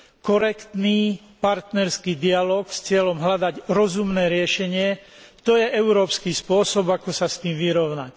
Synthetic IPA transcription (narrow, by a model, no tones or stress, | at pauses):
kɔɾɛkt̪niː | paɾt̪nɛɾskiːd̪ialɔːkst͡sɪɛlɔmɦlad̪aɟɾɔzumnɛːɾɪɛʃɛɲɪɛ | t̪ɔjɛʔɛʊɾɔːpskiːspʊɔsɔbakɔsast̪iːmʋiɾɔʊnac